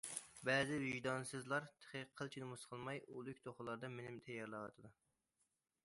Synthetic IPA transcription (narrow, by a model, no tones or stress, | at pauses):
bɛzɪvɪʒd̪ɑnsɨzlˠɑɾt̪ʰə̥χʰəqʰəlˠt͡ʃʰinɪmusqʰəlˠmɑjulˠykʲt̪ʰoχʊlˠɑɾd̪ɑmenɪmt̪ʰɛjːɑɾlˠɑwɑ̰t̪ʰɨd̪u